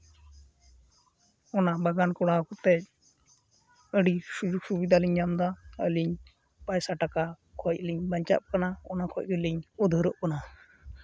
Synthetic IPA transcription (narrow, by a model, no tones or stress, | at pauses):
ɔnabaɡankɔɽakɔt̪ɛc̚ | əɽisud͡ʒuk̚subid̪ʱaliɲːamd̪aəliɲ | pajsaʈaka | kʰɔc̚liɲbaɲt͡ʃa̰p̚kanaɔnakʰɔc̚ɡəliɲɔd̪ʱəɾɔʔkana